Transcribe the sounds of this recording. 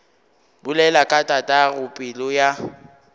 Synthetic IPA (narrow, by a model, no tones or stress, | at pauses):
bʊlɛlakʼatʼatʼaɣʊpʼɪlɔja